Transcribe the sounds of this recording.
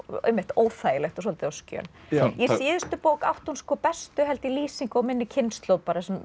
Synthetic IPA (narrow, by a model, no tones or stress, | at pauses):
ɛ̰mːɪht̪oːwθaːjɪlɛxt̪ɔs̬ɔlt̪ɪawscœ̰ːnjɛjiːðʏst̪ʏpoːwka̰wht̪unskɔːpɛst̪ʏɦɛlt̪ɪliːsiŋkɔwmɪnːɪcʰɪnst̪lowpaɾɪsɛm